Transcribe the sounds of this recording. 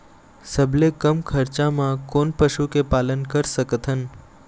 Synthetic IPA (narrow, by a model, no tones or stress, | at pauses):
səblekəmkʰəɾt͡ʃamãkonpəʃukepalənkəɾsəkət̪ʰən